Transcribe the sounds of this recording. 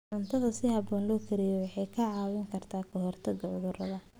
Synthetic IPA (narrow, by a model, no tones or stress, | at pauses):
ʕʊnt̪ʰɐðɐsɪhɑbɔːnlɔːkʰɐɾɪjɔwɑħɑjkʰɐʕɑːwɪŋkʰɐrt̪ʰaːkʰɔɦɔrt̪ʰɐɡɐʕʊðʊɾɐðɐ